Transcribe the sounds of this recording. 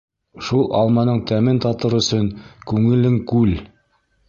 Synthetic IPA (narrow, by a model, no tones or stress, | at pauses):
ʃulˠʔɑ̰lˠmɑnɤɴt̪æmɘnt̪ɑt̪ɤɾɵ̆sɵŋkʉŋɘ̆lɘŋkʉl